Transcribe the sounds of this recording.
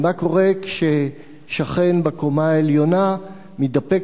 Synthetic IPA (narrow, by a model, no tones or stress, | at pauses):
mako̞ʁekʃe | ʃaχe̞nbekomaeljo̞na | midapek